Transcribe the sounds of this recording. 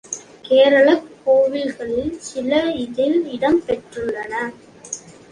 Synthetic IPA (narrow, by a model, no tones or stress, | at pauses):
keːɾɐɭɐkːoːʋɪlɣɐɭɪlsɪlɐɪðɪlɪɽɐmpɛʈrɯndɐnɐ